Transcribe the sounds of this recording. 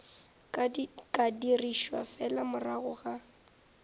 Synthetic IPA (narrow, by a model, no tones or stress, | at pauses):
kʼadiriʃwa̰fɛlamʊraɣʊɣa